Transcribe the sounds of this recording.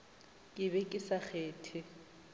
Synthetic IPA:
kʼɪβɛkʼɪsak͡xʰeːtʰɪ

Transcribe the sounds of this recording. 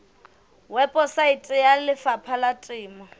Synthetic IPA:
wɛpʼɔsaitʼɪjalɪfapʰalatʼɪːmɔ

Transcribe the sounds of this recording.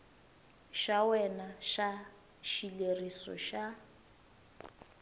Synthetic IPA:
ʃawɛnaʃa | ʃilerisɔ̰ʃa

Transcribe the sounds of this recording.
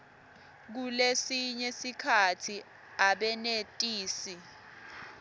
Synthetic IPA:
k̬ulesiɲɛsikʰatʰi | aɓɛnetʼiːsi

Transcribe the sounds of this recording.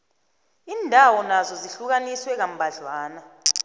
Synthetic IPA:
iːndʱawɔnazɔziɬuk̬aniswɛk̬am̩bʱaɮwaːna

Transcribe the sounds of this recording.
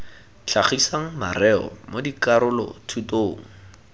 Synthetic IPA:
t͡ɬʰaχisaŋ̩ma̰rɛɔ̰modikaɾʊlɔ̰tʰutoːŋ̩

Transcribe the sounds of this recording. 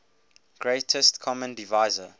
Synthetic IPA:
ɡ̥ɹetʰəstkʰɔmə̃ndivaɪzə

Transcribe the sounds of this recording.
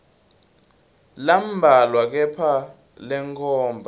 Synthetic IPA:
lam̩bʱalwak̬ɛpʰa | lɛŋkʰʼɔːmbʱa

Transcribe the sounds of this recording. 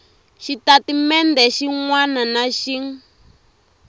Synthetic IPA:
ʃitatimɛndɛʃiŋwananaʃiŋ

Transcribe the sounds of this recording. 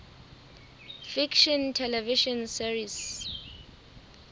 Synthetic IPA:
fikʃɔntʰɛlɛviʃɔnsiɹis

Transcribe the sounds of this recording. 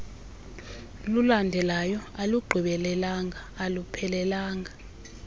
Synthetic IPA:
lulandʱɛlajɔaluɡ͡ǃʱiɓɛlɛlaːŋʱaːlupʰɛlɛlaːŋɡʱa

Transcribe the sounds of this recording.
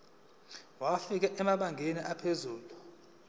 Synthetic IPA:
wafik̬ɛʔɛmaɓaŋɡʱeniʔapʰezuːlu

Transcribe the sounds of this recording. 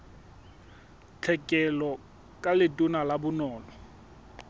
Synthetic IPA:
t͡ɬʰɛkʼɛlɔ | kʼalɪtʼʊnalabʊnɔːlɔ

